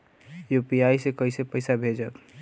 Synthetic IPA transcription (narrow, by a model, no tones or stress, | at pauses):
jupiajsekəisepəɪsabʱed͡ʒət̪